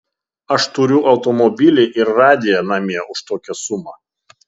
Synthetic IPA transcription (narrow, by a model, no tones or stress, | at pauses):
ɐʃt̪ʊɾʲʊʔɐʊt̪ɔmɔbʲɪlʲɪʔɪɾɾɑːd̪ʲɪjɛnɑmʲiɛʊʃt̪oːkʲɛsʊmɑ